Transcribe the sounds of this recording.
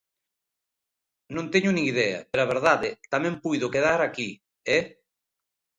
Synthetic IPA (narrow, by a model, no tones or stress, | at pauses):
nõnt̪eɲʊnĩŋiðɛɐ̰peɾaβeɾðaðɪt̪amɛ̃mpujðʊkeðaɾaki | ɛ